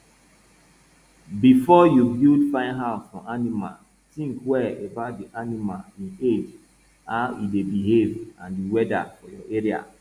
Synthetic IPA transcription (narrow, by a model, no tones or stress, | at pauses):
bifɔjubildfãɪ̃ndɦaʊɔ̃ʔanima̰l | tĩŋkwɛebaʊt̚diʔanimalĩned͡ʒ | aʊidebiɦevãndiwɛda̰fɔjɔʔeɹia̰